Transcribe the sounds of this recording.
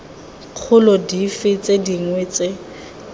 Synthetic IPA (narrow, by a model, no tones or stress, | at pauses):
q͡χʰʊlɔdifɪt͡sʼediŋwet͡sʼe